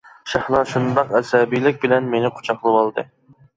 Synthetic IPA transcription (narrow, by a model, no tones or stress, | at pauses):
ʃɑhlˠɑʃund̪ɑqɛsɛbijlɪk̚ʲbɪlɛnmenɪqʰo̥t͡ʃʰɑqlˠɨwɑlˠd̪ɨ̰